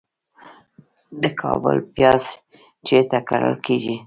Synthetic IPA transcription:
d̪əkʰɑbə̰lpjɑz | t͡ʃeɾt̪akaɽə̰lkeʒi

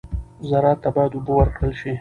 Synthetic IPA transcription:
zaɾɑːt̪ːabɑjad̪ubəwaɾkɽəlʃi

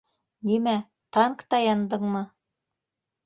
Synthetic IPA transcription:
nimæ | t̪ɑŋkt̪ɑjɑnd̪ɤɴmɤ

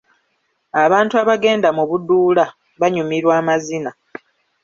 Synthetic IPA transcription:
aβaːntuaβaɡe̞ːndamuβudːuːla | βaɲumiɾwaːmazina

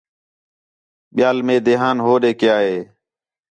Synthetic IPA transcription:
ɓɪjaːlmẽːd̪eːɦaːnɦoːɗeːkjaːɦeː

